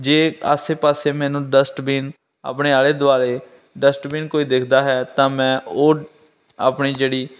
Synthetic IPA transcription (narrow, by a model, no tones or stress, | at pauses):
d͡ʒeːa̰ːseːpaːseːmɛ̃ːnũːɖəsʈbiːn | a̰ːpɳeːaːleːd̪ʊaːleː | ɖəsʈbiːnkoːiːd̪ekʰd̪aːɦɛːt̪ãːmɛ̃ːoː | aːpɳiːd͡ʒeːɽiː